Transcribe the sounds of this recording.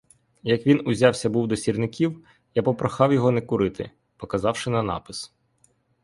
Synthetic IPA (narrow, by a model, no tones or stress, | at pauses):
jɐkʋʲinʊzʲɑwsʲɐbuwd̪ɔsʲirnɪkʲiw | japɔpɾɐxɑwjɔɦɔnɛkʊɾɪt̪ɪ̰ | pɔkɐzɑwʃɪnɐnɑ̰pɪs